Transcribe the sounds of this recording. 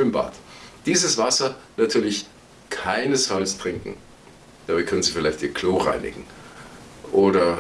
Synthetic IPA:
ømba̰ːtd̥iːzəsv̥asɐnatʰyːɐlɪç | kʰaɪnəsfalstʁ̥ɪŋkŋ̩ | d̥aːbaɪkʰœnənziːfɪlaɪçtiːɐkʰl̥oːʁa̰ɪnʔɪ̰ɡ̥ŋ̩ | ʔoːdɐ

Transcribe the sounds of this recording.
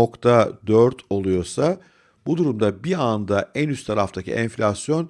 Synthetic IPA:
o̞kt̪ʰad̪øɾt̪ʰo̞lˠujo̞sa | bud̪uɾumd̪abiand̪aʔɛnyst̪ʰaɾaft̪ʰacʰḭʔɛnflʲasjo̞n

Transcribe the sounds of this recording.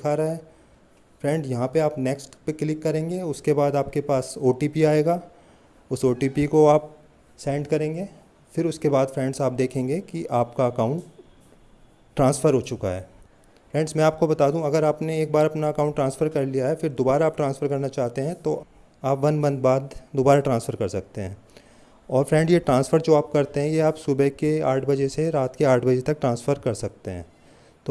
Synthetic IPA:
ɪkʰaːɾaɦɛː | fɾɛ̃ɳɖzjɐɦãpeaːpnɛːksʈpeklɪkːɐɾẽːŋɡeʊskebaːd̪aːp̚kepaːsoːʈiːpiaːeːɡaː | ʊsoːʈiːpikoaːp̚ | sɛ̃ːɳɖkɐɾẽːŋɡeː | fɪɾʊskebaːd̪fɾɛ̃ːɳɖzaːp̚d̪eːkʰẽːŋɡekiʔaːpkaɐkaːʊ̃ɳʈ | ɾãːnsfəɾɦoːt͡ʃʊka̰ɦɛ̰ː | fɾɛ̃ːɳɖzmɛ̃ːaːp̚kobɐt̪aːd̪ũɐɡəɾaːpneeːk̚baːɾɐpnaɐkaːʊ̃ɳʈːɾãːnsfəɾkɐɾlijaɦɛfɪɾd̪oːbaːɾaːp̚ʈɾãːnsfəɾkɐɾnat͡ʃaːɦt̪eɦɛ̃t̪o | aːpʋɐ̃nbɐ̃nd̪baːd̪ːoːbaːɾaʈɾãːnsfʰəɾkɐɾsɐk̚t̪eɦɛ̃ː | ɔːɾfɾɛ̃ːɳɖjeʈɾãːnsfəɾd͡ʒoaːp̚kɐɾt̪eɦɛ̃jeaːpsʊbɛkeaːʈʰbɐd͡ʒeseɾaːt̪keaːʈʰbɐd͡ʒet̪ɐk̚ʈɾãːnsfəɾkɐɾsɐk̚t̪eɦɛ̰̃ː | t̪oː

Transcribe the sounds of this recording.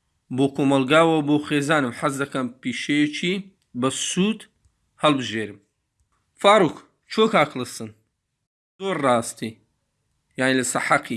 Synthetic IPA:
boːkʰoːmɐlɡaːwɐboːxeːzaːnɨmħazd̪ɐkɐnpiʃejet͡ʃʰi | bɐsuːt̪ | hɐlbɨʒeːɾɨm | faːɾuk | t͡ʃʰokaːklɨsɨn | zoːɾːɑːst̪i | jaʕnilɐsaħaqʰi

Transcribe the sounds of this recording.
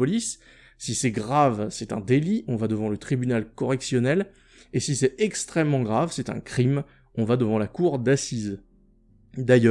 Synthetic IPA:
pɔlisː | isɛɡʁavsɛt̪ɛ̰̃d̪eliʔɔ̃vad̪əvɑ̃lət̪χibynalkɔʁɛksjɔnɛl | esisɛɛkst̪χɛmːɑ̃ɡʁavsɛt̪ɛ̰̃kχim | ɔ̃vad̪əvɑ̃lakuʁd̪asiz | d̪ajœ

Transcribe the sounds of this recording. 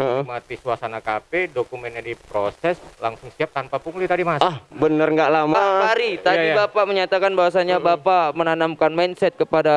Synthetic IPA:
əmat̪isuasanakapedokumɛnɲadipɾosɛslaŋsʊŋsiap̚t̪anpapuŋlit̪adimaahbənərŋɡaʔlamaaaɾit̪adibapaməɲat̪akanbaɦwasaɲabapamənanamkanmansɛt̪̚kəpada

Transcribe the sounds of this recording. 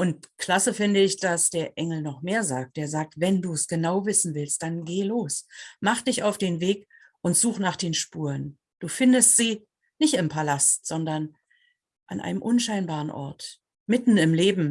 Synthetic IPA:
ʔʊnt̚kl̥asəfɪndəɪçd̥asd̥eːɐʔɛŋl̩nɔχmeːɐzaːk̚t̚d̥eːɐzaːk̚tvɛnduːsɡ̥ənaʊvɪsn̩vɪlstd̥anɡeːloːsmaχd̥ɪçaʊfd̥eːnveːk | ʔʊntz̥uːχnaːχd̥eːnʃpuːʁən | d̥uːfɪndəstz̥iː | nɪçtɪmpʰalastz̥ɔndɐn | ʔa̰nʔa̰ɪnəmʔʊnʃaɪnbaːʁənʔɔ̰ɐt | mɪtn̩ɪmleːbm̩

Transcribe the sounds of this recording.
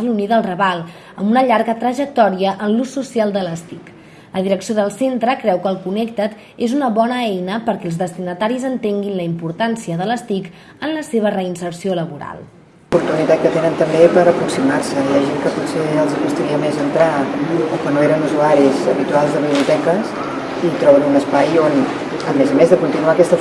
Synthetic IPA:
luniðəlˠrəβalˠ | əmbunəʎaɾɣət̪ɾəʒək̚t̪ɔɾiəʔənlusːusialˠd̪ələst̪ik | lʔəðiɾəksijoðəlˠsent̪ɾəkɾɛwkəːlˠkunɛk̚t̪ət̪ | ezunəβɔnəɛjnəpəɾkɛəlˠzðəst̪inət̪aɾizənt̪eŋɡinləimpuɾt̪ansiəðələst̪ik | ənləseβərəinsəɾsioləβuɾa̰lˠ | puɾt̪unit̪at̪̚kət̪enənt̪əmbepəɾəpɾuksimaɾsəijaʒeŋkəput̪seəlˠzikust̪əɾiəmezənt̪ɾaokənoeɾənuzuaɾizəβit̪ualˠzðəβiβliut̪ɛkəs | it̪ɾɔβənunəspajon | əmezəmezðəkunt̪inuakɛst̪ə

